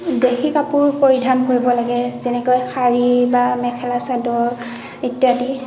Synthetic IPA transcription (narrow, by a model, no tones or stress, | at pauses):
dexʰikapʊɹpoɹidʱankoɹibɔlaɡɛzɛnɛkojxʰaɹibamɛkʰɛlasadɔɹ | etjati